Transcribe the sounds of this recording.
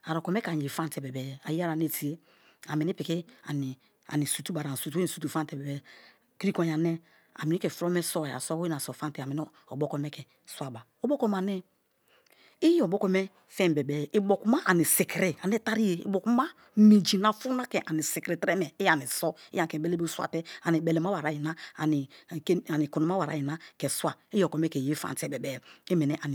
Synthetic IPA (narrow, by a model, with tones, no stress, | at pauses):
a˨ɾo˨ko˨me˦ka˨ɲ˨e˨fa˦ntɛ˨be˨bɛ˨ja˨ji˦a˦ɾa˨n˦e˨ti˨e˦ | a˨mi˨ni˦pi˨ki˦a̰˨ni˨ | a̰˨ni˨su˨tu˦ba˨ɾa˨su˨tu˦i˨su˨tu˨fa˦nte˨be˨bɛ˨˦ | ki˦ko˨ja˨ne˦ | a̰˨mi˨i˦ke˨fɾo˦me˦sɔ˦a˨a̰˨so˦wi˦a˨so˨fa˦nte˨mi˨n˦ | o̰˨bo˦kɔ˦me˦kɛ˨ | swa˨ba˨o˨˦bo˦ko˦ma˨nɛ˦ | i˦o˨bo˦ko˦me˦ | fɛ˦m˨be˨be˨i˨bo˨ku˨˦ma˦ʔa˨ni˨se˨ki˨ɾe˨a˨n˦e˦ta˦ɾi˦je˨ḭ˨bo˨ku˦ma˦ | me˨d͡ʒi˨na˨fu˦na˦kɛ˨ʔa˨ni˨se˨kɾe˨tɾe˦mɛ˨i˦ja˨ni˨sɔ˦i˦ja˨ke˨be˦le˦be˦swa̰˨te˦a˨ni˨be˨le˨ma˦wa˨ɾa˨˦ji˨na˦a˨ni˨˦a˨ni˨ku˨no˨ma˦wa˨ɾa̰˨ji˨na˦ke˨swa˨i˦jo˨kɔ˨˦me˦ke˨je˦fa̰˨nte˦be˨bɛ˦˨e˦me˨nɛ˦ʔa˨n˨